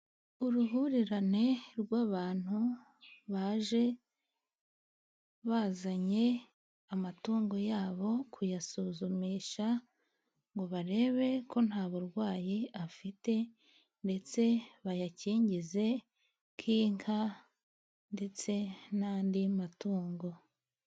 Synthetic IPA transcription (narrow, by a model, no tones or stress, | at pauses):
uɾuɦuɾiɾane̞ɾɡwaːβaːn̥hu | βaːʒe̞ | βaːzaɲe̞ | amatuːŋɡo̞jaːβo̞kʰujasuːzumiʃa | ŋɡo̞βaɾe̞ːβe̞ko̞n̥haːβuɾɡwaːjiafite̞ | nde̞t͡se̞βajaciːɲɟize̞ | kʰiːŋkʰa | nde̞t͡se̞naːndimatuːŋɡo̞